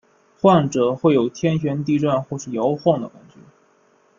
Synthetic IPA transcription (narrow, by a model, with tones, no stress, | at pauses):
xwa˥˩nʈ͡ʂɤ˨˩xwe˥˩ɪjo˨˩ʊt̪ʰjɛ˥nɕ̬ɥɛ˧˥nt̪̬i˥˧ʈ͡ʂwa˥˧nxwɔ˥˧ʂɻ̩˥˩jɑ˧˥ʊxwɑ˥˩ŋd̪ə̰˩kwa̰˧˩nt͡ɕy˥˩